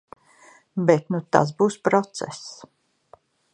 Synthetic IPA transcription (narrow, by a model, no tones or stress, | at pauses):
bet̪nut̪a̰sbuːspɾɔt̪sɛ̰s